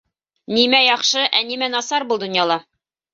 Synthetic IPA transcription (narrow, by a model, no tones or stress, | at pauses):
nimæjɒχʃɤʔænimænɒsɑɾbulˠd̪ŏnjɑlˠɑ